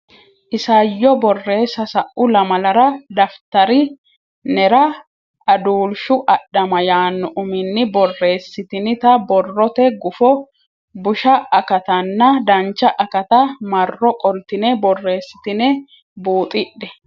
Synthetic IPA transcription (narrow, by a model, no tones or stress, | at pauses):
ʔɪsɐjːɔbɔrːe̞ːsːɐsɐʔʔʊlɐmɐlɐɾɐd̪ɐft̪ɐɾɪ | nɛɾɐ | ʔɐd̪uːlʃʊʔɐɗːɐmɐjaːnːɔʔʊmɪnːɪbɔrːe̞ːsːɪt̪ɪnɪt̪ɐbɔrːɔt̪ɛɡʊfɔ | bʊʃɐʔɐkɐt̪ɐnːɐd̪ɐnt͡ʃːɐʔɐkɐt̪ɐmɐrːɔkʼɔlt̪ɪnɛbɔrːe̞ːsːɪ̥t̪ɪnɛ | buːt̪ʼɪɗːɛ